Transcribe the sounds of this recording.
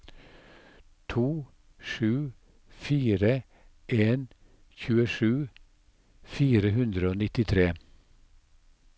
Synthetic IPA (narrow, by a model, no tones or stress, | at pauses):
t̪ʰuː | ʂʉː | fiːɾə | ʔeːn | çʉːəʂʉː | fiːɾəɦʉnd̪ɾəoːnɪt̪ɪt̪ʰɾeː